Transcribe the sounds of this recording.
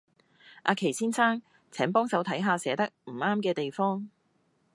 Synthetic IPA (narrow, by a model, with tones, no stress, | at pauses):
ʔa̰ː˧kʰe˨˩jsiː˥nsʰaː˥ŋ | t͡sʰɛː˨˥ŋpɔː˥ŋsɐ˨˥wt̪ʰɐ˨˥jɦaː˧sɛː˨˥t̪ɐ˥k̚m̩˨˩aː˥mkɛː˧t̪e˨jfɔː˥ŋ